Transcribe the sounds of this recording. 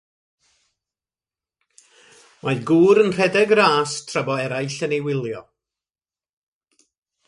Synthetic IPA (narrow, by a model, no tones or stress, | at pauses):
majɡuːɾənr̥ɛdɛɡraːstʰrabɔɛɾajɬənejwɪlˠjɔ̰